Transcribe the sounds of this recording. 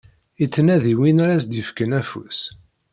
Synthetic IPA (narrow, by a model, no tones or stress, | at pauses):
it͡sːnæðiwinaɾæsd̪jəfkənæfṵs